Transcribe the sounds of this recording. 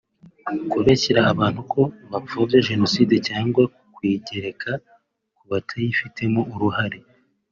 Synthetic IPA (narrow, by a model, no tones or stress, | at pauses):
koβeceɾaːβaːn̥hukʰo̞βap͡fobjaʒe̞no̞siːde̞caːŋɡwa | kwiːɟe̞ɾe̞kʰa | kuβatʰajifitʰe̞moʔuɾuhaɾe